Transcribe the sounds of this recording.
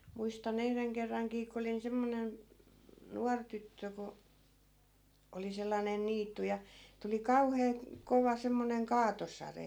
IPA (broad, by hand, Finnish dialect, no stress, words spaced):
muistɑn yhreŋ kerːɑŋkiː ko olin semːonen nuɑr tytːø ko oli selːɑnen̆ niːtːu jɑ tuli kɑuheː koʋɑ semːoneŋ kɑːtosɑre